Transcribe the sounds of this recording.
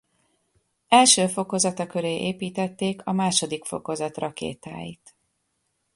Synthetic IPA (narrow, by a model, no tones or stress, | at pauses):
ɛlʃøːfo̞ko̞zɒt̪ɒkøɾeːʔeːpiːt̪ɛt̪ːeːkʰɒmaːʃo̞d̪ikfo̞̰ko̞zɒt̪rɒkḛːt̪a̰ːjḭt̪